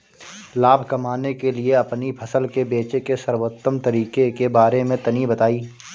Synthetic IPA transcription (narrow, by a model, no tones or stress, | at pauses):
laːbʱkɐmaːnekelieɐpnipʰɐsəlkebeːt͡ʃekesɐɾwot̪ːəmt̪ɐɾiːkekebaːɾemẽt̪ɐnibɐt̪aːiː